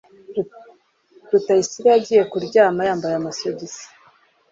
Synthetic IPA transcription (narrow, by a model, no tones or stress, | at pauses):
ɾutaisiɾaaɟiːje̞kuɾɟaːmajaːmbajamasoɟisi̥